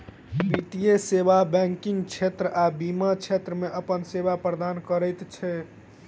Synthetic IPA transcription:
bit̪ijesebabɛ̃ŋkiŋɡt͡ʃʰet̪ɾəʔabimat͡ʃʰet̪ɾəmeʔəpənsebapɾəd̪ankəɾət̪t͡ʃʰɛ

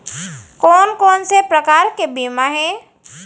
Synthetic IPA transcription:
kɔːnkɔːnsepɾəkaːɾkebiːmaɦɛ̃ː

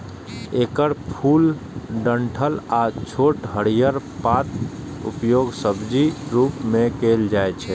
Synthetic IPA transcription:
ekəɾpʰulɖəɳʈʰəlat͡ʃʰoʈɦəɽijəɾpat̪ | ṵpjoɡsəbd͡ʒiɾupmekeld͡ʒajt͡ʃʰɛ

